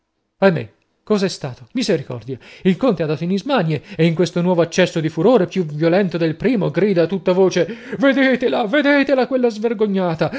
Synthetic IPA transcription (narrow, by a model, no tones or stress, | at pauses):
amːḛ | kɔːzaɛst̪aːt̪omizeɾikɔ̰rd̪jailkont̪ead̪at̪oinizmanjeeiŋkwest̪onwɔːvoat͡ʃːɛsːod̪ifuɾoːɾepjuvjolɛnt̪od̪elpɾiːmoɡɾiːd̪at̪ut̪ːavoːt͡ʃeved̪eːt̪elaved̪eːt̪elakwelːazverɡoɲːaːt̪a